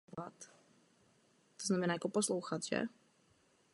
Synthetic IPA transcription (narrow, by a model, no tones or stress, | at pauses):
at̪ | t̪ɔznamɛnaːakɔpɔsluxat͡ʃɛ̰